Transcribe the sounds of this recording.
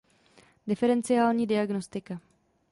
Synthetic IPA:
dɪfɛɾɛnt͡sɪjaːlɲiːdɪaɡno̞st̪ɪka

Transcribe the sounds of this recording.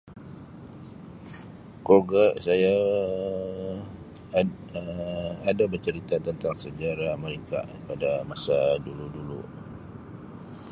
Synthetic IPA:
koɡəʔsaja | adabərt͡ʃəɾit̪at̪ənt̪aŋsəd͡ʒaɾaməɾiŋka̰ʔpadamasaduludulṵ

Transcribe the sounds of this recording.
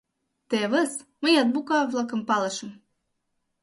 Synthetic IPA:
t̪eβəsməjɑt̪̚bukɑvlˠɤkɤ̆mpɑlˠɤʃə̆m

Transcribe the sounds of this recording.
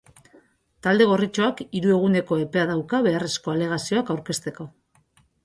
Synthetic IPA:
t̪ald̪e̞ɣ̞o̞rit͡ʃo̞akiɾue̞ɣ̞une̞ko̞e̞pe̞aðawkaβe̞are̞sko̞ale̞ɣ̞asio̞akawɾke̞st̪e̞ko̞

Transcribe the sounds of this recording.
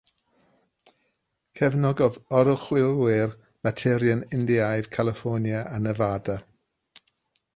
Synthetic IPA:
kʰɛvnɔɡɔvɔɾɔχwɪlˠwɪr | matʰɪɾjənɪndiajv̥kʰalˠɪfɔnjaʔanəvada

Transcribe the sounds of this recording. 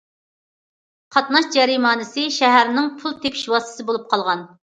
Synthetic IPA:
qʰɑt̪nɑʃd͡ʒɛɾimɑːnɨsɨʃɛɦæɾnɪŋpʰulˠt̪ʰepʰi̥ʃwɑst̪ɨ̥sɨbolˠup̚qʰɑlˠʁɑn

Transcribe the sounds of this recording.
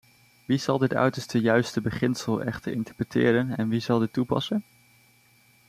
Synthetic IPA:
ʋiz̥ɑlˠdɪtœ̰ɥtəɹstəjœɥstəbəχɪnsəlˠɛχtəɹɪntəɹprətʰɪ̰ːɾənɛnʋizɑlˠdɪtːupɑ̰sən

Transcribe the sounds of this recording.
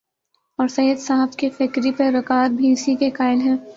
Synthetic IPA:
ɔːɾsɐjəd̪saɦfkifɪkɾipɐɾɐkaːd̪̚bʱiːsikekaːɪlɦɛ̃ː

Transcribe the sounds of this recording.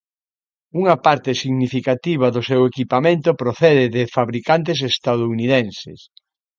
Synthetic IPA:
uŋɐpaɾt̪ɪsiɣnifikat̪iβ̞ɐðʊsewekipamẽnt̪ʊpɾoθɛðɪðɪfaβɾikant̪es̬est̪aðouniðɛnsɪ̰s

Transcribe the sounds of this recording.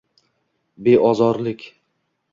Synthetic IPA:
be̞ʔɒzɒɾlɪkʲ

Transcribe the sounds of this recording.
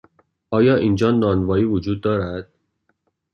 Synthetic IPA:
ʔɒːjɒːʔiːnd͡ʒɒːnɒːnvɒːiːvod͡ʒuːd̪ːɒːɾæd̪̥

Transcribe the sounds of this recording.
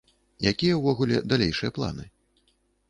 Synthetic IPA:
jakʲijɐwvɔɣulʲɛ̰d̪alʲejʂɨjɐplˠa̰nɨ

